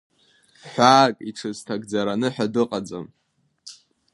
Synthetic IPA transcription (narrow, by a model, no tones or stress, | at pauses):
ħʷaːkʼiʈ͡ʂʰɨztʰaɡd͡zaɾanɨħadɨqʼad͡zʼa̰m